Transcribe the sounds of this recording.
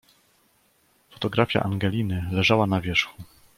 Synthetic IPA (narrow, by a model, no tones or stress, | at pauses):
fɔ̥t̪ɔɡɾafʲja̰ʔaŋɡɛlʲinɘlɛʐawanavʲjɛʂxu